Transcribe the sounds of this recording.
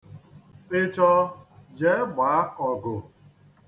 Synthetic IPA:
pɪ˦t͡ʃɔ˦d͡ʒe˦ɡ͡baː˨a˦ɔ˨ɡʊ˨

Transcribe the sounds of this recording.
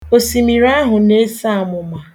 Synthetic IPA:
o˨si˨mi˨ɾa˦ɦʊ˨ne˦sa˦˨mʊ˨ma˨

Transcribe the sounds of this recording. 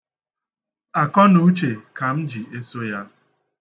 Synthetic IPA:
a˨kɔ˦nu˦t͡ʃe˨ka˨m̩˦d͡ʒi˨ʔe˦so˦ja˦

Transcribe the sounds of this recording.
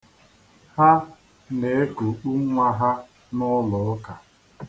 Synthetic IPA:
ha˦ | ne˨e˦ku˨k͡pu˦ŋʷa˦ɦa˦ | nʊ˦lɔ˨˦ka˨

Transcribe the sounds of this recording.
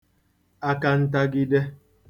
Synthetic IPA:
a˨ka˨n̩˦t̬a˦ɡi˦dɛ˦

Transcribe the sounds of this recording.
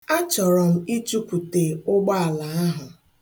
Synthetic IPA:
a˦t͡ʃɔ˨ɾɔ˨m̩˦i˦t͡ʃu˦kʷu˨te˨ʊ˦ɡ͡ba˦a˨la˨a˦ɦʊ˨

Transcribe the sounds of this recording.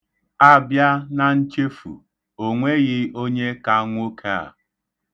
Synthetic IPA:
a˦bja˦na˨n̩˦t͡ʃe˦fṵ˨ | o˨ŋʷe˦ɣɪ˦o˦ɲe˦ka˨˦ŋʷ˦o˦kʰa˦a̰˨

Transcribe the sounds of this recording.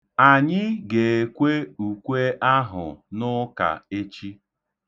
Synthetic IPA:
a˨ɲɪ˦ɡe˨e˨kʷe˦u˨kʷe˦ʔa˦ɦʊ̰˨nʊ˦ka̰˨e˦t͡ʃi˦

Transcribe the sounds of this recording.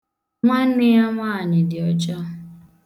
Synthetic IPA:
ŋʷa˦n̩˦nɪ˦ja˦ŋʷaː˦˨ɲɪ˨dɪ˨ɔ˨d͡ʒɔ˦

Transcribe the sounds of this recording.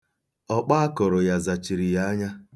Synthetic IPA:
ɔ˦k͡pa˦kɔ˨ɾɔ˨ja˨za˨t͡ʃi˨ɾi˨ja˦ɲa˦

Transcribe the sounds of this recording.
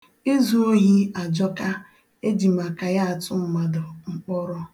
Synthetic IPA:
i˦zu˦o˦ɦi˦a˨d͡ʒɔ˦ka˦ | e˦d͡ʒi˨ma˨ka˨ja˦a˨tʊ˦m̩˨ma˨dʊ˨ŋ͡m̩˨k͡pɔ˦ɾɔ˦

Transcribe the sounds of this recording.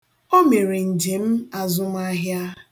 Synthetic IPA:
o˦me˨ɾe˨n̩˨d͡ʒe˨m̩˦a˨zʊ˦m˦a˦ɦja˦

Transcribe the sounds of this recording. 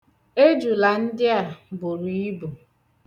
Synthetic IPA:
e˦d͡ʒu˨la˨n̩˦dɪ˦a˨bʊ˨ɾi˨i˦bu˨

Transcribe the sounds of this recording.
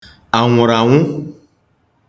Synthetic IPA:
a˨ŋũ˨ɾa˨wũ˦

